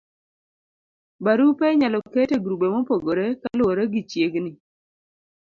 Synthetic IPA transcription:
baɾupeɲalɔketeɡɾubemopoɡoɾekaloɾeɡit͡ʃjeɡni

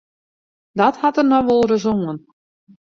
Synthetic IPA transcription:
dɔthɑtərnɔʋolˠrəzoŋən

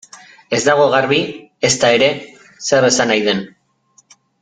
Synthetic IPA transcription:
e̞zd̪aɣ̞o̞ɣarβie̞st̪ae̞ɾe̞ | se̞re̞sanajðe̞n

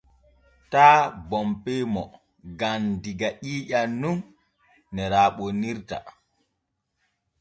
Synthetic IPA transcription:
taːbɔmpemɔ | ɡandiɡaʔiːʄanːunː | ɛɾaːɓoniɾta̰

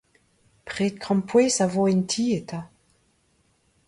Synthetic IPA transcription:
pʁeːt̪̚kʁɑ̃mpweːsavoɛntʰiːet̪ʰa

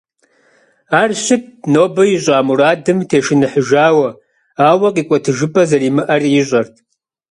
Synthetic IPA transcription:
aːrɕɪt̚noːbɐjiɕʷʼaːmuraːdɨmtʰeːʃɪnɨħəʒaːwɐ | aːwɐqʼiːkʷʼɐtʰɨʒɨpʼɐzɐriːmɨʔɐrjɪɕʷʼɐrtʰ

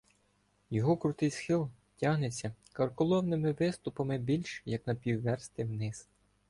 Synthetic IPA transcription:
jɔɦɔkɾʊt̪ɪjsxɪlˠ | tʲaɦnet͡sʲːɐkɐrkɔlˠɔwnɪmɪʋɪst̪ʊpɐmɪbʲilʲʃjɐknɐpʲiwːɛrst̪ɪwnɪz

